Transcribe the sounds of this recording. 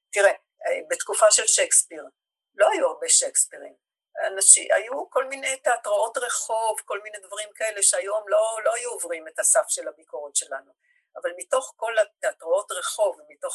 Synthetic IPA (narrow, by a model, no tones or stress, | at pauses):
t̪iʁe | be̞t̪kufaʃe̞lʃekspiʁ | lo̞ajuaʁbe̞ʃekspiʁim | anaʃḭʔa̰juko̞lmine̞jteatʁao̞tʁe̞χo̞vko̞lmine̞dvaʁimkae̞le̞ʃeajo̞mlo̞lo̞ajuovʁime̞tasafʃe̞labikoʁotʃe̞lanu | avalmito̞χko̞lat̪eatʁoo̞tʁeχo̞vmito̞χ